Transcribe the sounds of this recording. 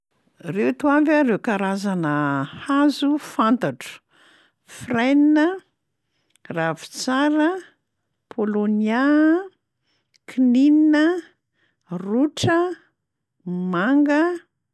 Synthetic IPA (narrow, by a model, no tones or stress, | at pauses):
rewt̪uamvaɾewkaɾazanəhazufant̪aʈ͡ʂu̥ | frajninə | ravi̥t͡saɾə | pʰolonja | kʰinininə | ruʈ͡ʂə | maŋɡə